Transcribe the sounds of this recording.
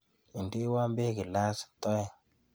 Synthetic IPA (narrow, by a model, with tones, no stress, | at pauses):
i˨ndi˦wa˦mbe˦kɪ˨la˦st̪ɔ˦jɛ˦˨